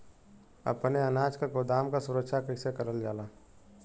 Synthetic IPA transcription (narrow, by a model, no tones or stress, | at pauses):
ə̰pneɐnaːd͡ʒkaɡoːd̪aːmkasʊɾəkʃakəɪsekəɾəld͡ʒaːlaː